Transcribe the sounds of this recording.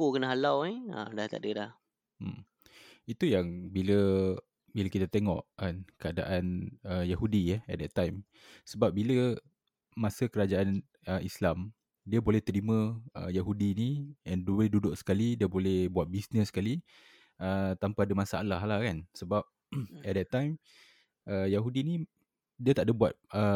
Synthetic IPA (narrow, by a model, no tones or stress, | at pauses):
kokənaɦalawiə̰laht̪a̰ʔdəlah | m̩ | it̪ujaŋbilə | biləkit̪at̪eŋɔʔkankəada̰ʔanəjahudiəɛ̰t̪̚dɛt̪ːajm | səbap̚bilə | masəkəɾad͡ʒaan | əislam | diəbolɛht̪əɾimə̃əjaɦudiniɛndulɛdudʊʔsə̥kalidiəbolɛhbuat̪̚bisnəsə̥kali | ət̪ampadəmãsaalaɦlahkansəbap̚ | ɛt̪̚dɛt̪ːajm | əjaɦudinĩ | diət̪aʔdəbua̰t̪̚ə